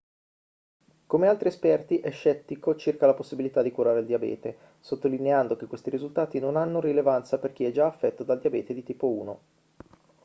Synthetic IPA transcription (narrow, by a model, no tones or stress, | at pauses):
komealt̪ɾiespɛrt̪iʔɛʃːɛt̪ːikot͡ʃirkalaposːibilit̪ad̪ikuɾaːɾeld̪iabɛ̰ːt̪e | sot̪ːolineand̪ok̟ekːwest̪iɾizult̪aːt̪inonanːorilevant̪saperk̟iɛd͡ʒaːfːɛt̪ːod̪ald̪iabɛːt̪ed̪it̪iːpouːno